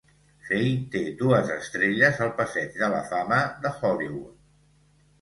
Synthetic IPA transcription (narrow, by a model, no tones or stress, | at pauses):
fejt̪ed̪uəzəst̪ɾeʎəzəlˠpəsɛd͡ʒd̪ələ̰faməðəxɔliwu